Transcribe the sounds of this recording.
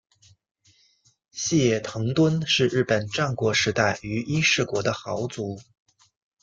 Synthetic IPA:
ɕi˥˩jɛ˨˩t̪ʰɤ˧˥ŋt̪wə˥nʂɻ̩˥˧ɻɻ̩˥˩pə˨˩nʈ͡ʂɑ˥˩ŋkwɔ˧˥ʂɻ̩˧˥t̪a˥˩ɪy˧˥ʔi˥ʂɻ̩˥˩kwɔ˧˥d̪ə˧xɑ˧˥ʊt͡su˧˥

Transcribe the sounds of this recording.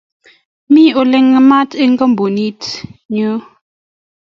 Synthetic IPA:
mi˦o˨lɛ˨ŋːə˨ma˦te˦ŋ̩˦ɡə˦m˨bo˨ni˦tɲə˦

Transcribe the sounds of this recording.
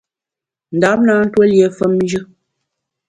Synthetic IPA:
n̩˨da˨˦p̚na˦n̩˦twə˦lje˨fə˦mn˦d͡ʒɨ˦

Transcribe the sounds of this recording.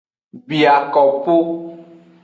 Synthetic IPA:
bi˨a˨kɔ˨po˦

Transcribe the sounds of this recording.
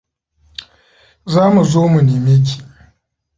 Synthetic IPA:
zaː˦mu˨zoː˦mu˨niː˨meː˦k̬ʲi̥˨

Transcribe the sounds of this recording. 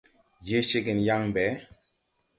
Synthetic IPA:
je˦ʃe˦ɡe˨nja˦ŋmbɛ˨˦

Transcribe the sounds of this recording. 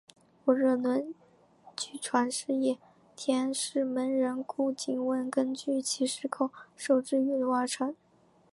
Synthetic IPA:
wɔ˨˩ɻə˥˩nwə˧˥n | t͡ɕy˥˩ʈ͡ʂʰwa˧˥nʂɻ̩˥˧jɛ˥˩ | t̪ʰjɛ˥nʂɻ̩˥˩mə˧˥nɻə˧˥nkʰu˥˩t͡ɕi˧˩ŋwə˥˩nkə˥nt͡ɕy˥˩t͡ɕʰi˧˥ʂɻ̩˥˧kʰo˨˩ʊʂo˨˩ʊʈ͡ʂɻ̩˥˩˧y˧˥˩n˧wa˥˩ʈ͡ʂʰwa˧˥n

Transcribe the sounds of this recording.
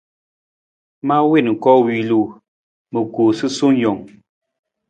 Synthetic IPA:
ma˦we˦˨nŋ̩˨kɔ˦wi˨lu˦˨ | mə˨ku˨sɨ˦su˦ŋ˦jɔ˨ŋ

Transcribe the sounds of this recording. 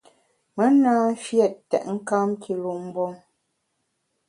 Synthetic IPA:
mə˦naː˦fjɛ˦˨ttːɛ̰˨ʔŋ̩˦ka˦mkʰi˨lu˨m̩˦bɔ˦ŋ

